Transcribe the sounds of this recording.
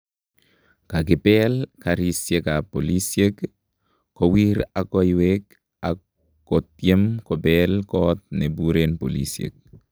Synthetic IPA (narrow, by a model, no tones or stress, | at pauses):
kak̬ɪpɛlkaɾisjekapolisjek | kowiɾakoiwek | a | kɔtjemkɔbelkɔt̪̚nebuɾenpolḭsjḛk̚